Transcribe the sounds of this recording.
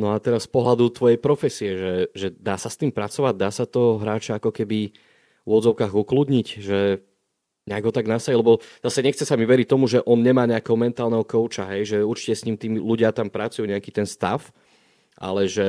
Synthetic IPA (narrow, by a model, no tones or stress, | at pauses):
nɔat̪ɛɾasspɔɦlad̪ut̪ʋɔjɛjpɾɔfɛsiɛʒɛʒɛd̪aːsast̪iːmpɾat͡sɔʋaɟ̚d̪aːsat̪ɔɦɾaːt͡ʃaakɔkɛbi | ʊʊɔd͡zɔʊkaːɣuklud̪ɲicʒɛ | ɲɛaɡɦɔt̪aɡnasailɛbɔz̥asɛɲɛxt͡sɛsamiʋɛɾic̚t̪ɔmuʒɛʔɔnɲɛmaːɲɛakɛɦɔmɛnt̪aːlnɛɦɔkɔʊt͡ʃaɦɛjʒɛuɾt͡ʃi̥cɛsɲiːmt̪iːmluɟɪat̪ampɾat͡sujuɲɛakit̪ɛnst̪a̰f | ʔa̰lɛʒɛ